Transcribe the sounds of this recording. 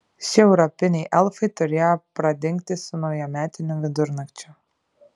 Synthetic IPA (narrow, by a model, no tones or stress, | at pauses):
ʃʲɪɛʊɾɔpʲɪnʲɛjʔɛlˠfɐɪt̪ʊɾʲeːjɔpɾɐd̪ʲɪŋʲk̚t̪ʲɪsʊnɐʊjɛmʲæːt̪ʲɪnʲʊʋʲɪd̪ʊɾnɐkt͡ʃʲʊ